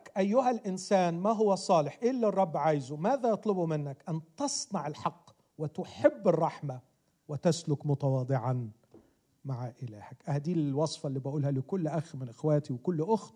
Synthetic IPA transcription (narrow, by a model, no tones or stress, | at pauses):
kʔajːʊɦalʔɪnsaːnmaɦʊwːasˤɑːlɪħʔɪlːɑrˤːɑbːʕaːjzʊmaːðajɑt̪ˤlʊbumɪnːakʔant̪ɑsˤnɑʕɪlħɑqː | wɪt̪ʊħɪbːɪrˤːɑħma | wɪt̪aslʊkmʊt̪awɑːd̪ˤɪʕan | maʕʔɪla̰ːhakʔahad̪iːwɑsˤfɑlːiːbaʔuːlhalɪkʊlːʔaxmɪnʔɪxwaːt̪iwkʊlːʔʊxt̪